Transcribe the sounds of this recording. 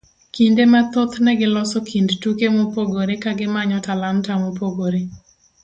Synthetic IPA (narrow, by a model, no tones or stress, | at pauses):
kindemat̪ot̪nɛɡɪlɔsɔkʰindtukemopoɡoɾekaɡɪmaɲɔtalantamopoɡoɾe